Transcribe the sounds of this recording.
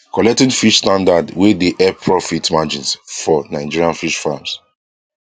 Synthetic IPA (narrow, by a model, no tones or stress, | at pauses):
kɔlɛk̚tĩnfiʃstãndadwideʔɛpʰɹɔfitmad͡ʒĩnsfɔnãɪd͡ʒiɹiãnfiʃfams